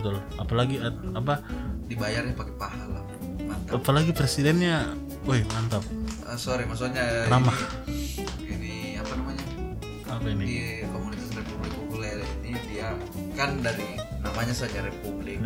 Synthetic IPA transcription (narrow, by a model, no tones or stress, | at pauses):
t̪ʊl | apalaɡiaap̬adibajarjapakɛpahala | mant̪aapalaɡipɾesidɛnɲa | ojmant̪ap̚əsoɾimas̬uk̚ɲaɾamah | ini | apanamaɲa | apainiikomunit̪asrepublɪk̚ukulalinidia | kandaɾinamaɲasad͡ʒaɾepublɪk̚